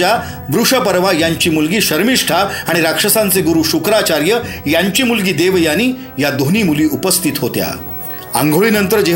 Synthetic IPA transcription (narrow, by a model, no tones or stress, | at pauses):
a | bɾuʂəpəɾʋajaɲt͡ɕiːmulɡiːɕəɾmiʂʈʰaʋaɽ̃iɾakʂəsãnt͡seɡuɾuːɕukɾat͡ɕaɾjəjaɲt͡ɕiːmulɡiːd̪eʋjañiː | jad̪ʱoniːmuliːupəst̪ʰit̪ɦot̪ja̰ | ə̰ŋɡʱoɭiːnənt̪əɾd͡ʑe